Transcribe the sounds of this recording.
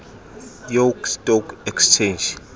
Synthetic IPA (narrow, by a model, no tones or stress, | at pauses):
jokstʼɔkʰɛkst͡ʃʰend͡ʒ